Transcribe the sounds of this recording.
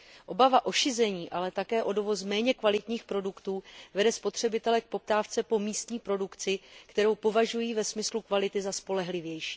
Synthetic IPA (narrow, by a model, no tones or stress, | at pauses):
ʔo̞bavaʔo̞ʃɪzɛɲiːʔalɛt̪akɛːʔo̞do̞vo̞smɛːɲɛkvalɪt̪ɲiːxpɾo̞dukt̪uːvɛdɛspo̞t̪r̝̥ɛbɪt̪ɛlɛk̚po̞p̚t̪aːft͡sɛpo̞miːst̪ɲiːpɾo̞dukt͡sɪkt̪ɛɾo̞wpo̞vaʒujiːvɛsmɪslukvalɪt̪ɪzaspo̞lɛɦlɪvjɛjʃiː